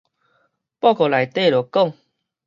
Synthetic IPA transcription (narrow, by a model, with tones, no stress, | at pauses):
pɔ˥˧˨kɔ˨˩la˨jt̪e˥˧˨lo˨˩kɔ˥˨ŋ